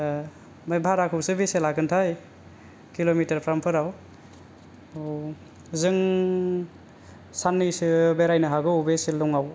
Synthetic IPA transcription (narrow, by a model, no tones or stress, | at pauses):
mabʱaɾakʰɯwsɯbeselakɯntʰaj | kilomitɐɾpʰɾampʰɯɾaw | zɯŋ | sanːɯsɯbeɾajnaɦaɡɯwbeselːɔŋaw